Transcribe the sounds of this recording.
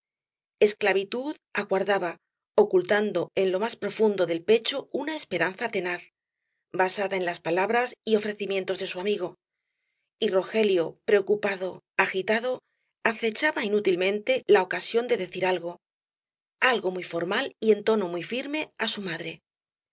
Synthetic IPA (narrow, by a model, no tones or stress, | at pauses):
e̞sklaβit̪uðaɣwaɾðaβa | o̞kult̪and̪o̞e̞nlo̞maspɾo̞fund̪o̞ðe̞lpe̞t͡ʃo̞unae̞spe̞ɾanθat̪e̞naθ | basaðae̞nlaspalaβɾasio̞fɾe̞θimje̞nt̪o̞zðe̞suamiɣ̞o̞ | iro̞xe̞ljo̞pɾe̞okupaðo̞ | axit̪aðo̞ | aθe̞t͡ʃaβainut̪ilmẽ̞nt̪e̞lao̞kasjo̞nd̪e̞ðe̞θiɾalɣo̞ | alɣo̞mujfo̞ɾmalie̞nt̪o̞no̞mujfiɾme̞asumaðɾe̞